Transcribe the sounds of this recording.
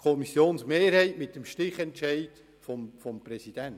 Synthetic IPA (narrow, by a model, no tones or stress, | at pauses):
kʰɔmisjoːnsmeːɾhɛɪtmɪt̚ːəmʃtɪχɛntʃɛɪt | fɔmfɔmpɾɛsid̥ænt